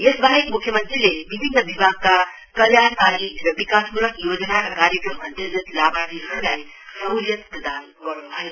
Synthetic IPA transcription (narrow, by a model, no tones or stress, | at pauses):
esbʱaekmukʰːjəmənt̪ɾilebibʱinːəʋibʱaɡ̚ka | kəljaɾsaɾiɾʌbikasmuləkjod͡ʒnakakaɾjəkɾəmənd̪ed͡ʒət̪labaɾiulaj | səuɾjət̪pɾəd̪an | ɡʌɾnubʱae